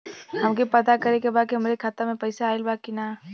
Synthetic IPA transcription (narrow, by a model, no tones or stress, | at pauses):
hɐmkipɐt̪akɐɾekebaːkiɦəmɾekʰaːt̪əmẽpɐɪsaːelbaːkinaː